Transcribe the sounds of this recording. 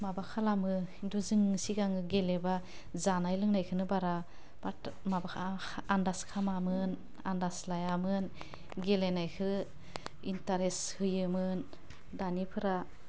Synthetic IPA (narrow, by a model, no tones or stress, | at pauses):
mabakʰalamɯinduzɯŋsiɡaŋɯɡeleba | zanajlɯŋnajkʰɯnɯbaɾa | b̥amabakʰaːndaskʰamamɯn | andaslajamɯn | ɡelenajkʰɯ | intaɾeshɯjɯmɯn | danipʰɯɾa